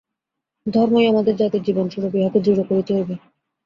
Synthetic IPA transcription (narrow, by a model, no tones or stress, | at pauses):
d̪ʱɔɾmoeamad̪eɾd͡ʑat̪iɾd͡ʑibonʃuɾobiɦat̪ed͡ʑuɾokoɾit̪eɦobe